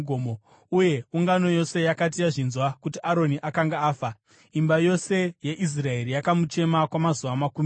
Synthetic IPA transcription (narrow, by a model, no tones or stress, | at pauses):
omo | uje̞uŋɡano̞jo̞se̞jakat̬ijaʐinzwakutiʔaɾo̞niʔakaŋɡaːfa | imbajo̞se̞je̞ʔis̬rae̞ɾijakamut͡ʃe̞makwamazuʋamakum